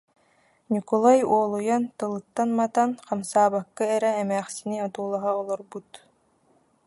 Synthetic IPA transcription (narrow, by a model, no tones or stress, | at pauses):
nʲikɔlˠajuɔlˠujant̪ɯlˠɯt̪ːanmat̪anqamsaːbakːɯɛɾɛːmæːχsiniɔt̪uːlˠaɦaɔlˠɔɾbut̪